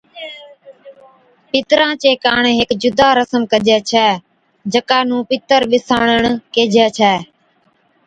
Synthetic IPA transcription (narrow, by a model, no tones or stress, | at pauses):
pɪt̪ɾãːt͡ʃeːkaːɳɦɪkd͡ʒʊd̪aːɾəsəmkəʄɛːt͡ʃʰɛː | d͡ʒəkaːnũːpɪt̪əɾɓɪsaːɳəɳkeːd͡ʒʱɛːt͡ʃʰɛː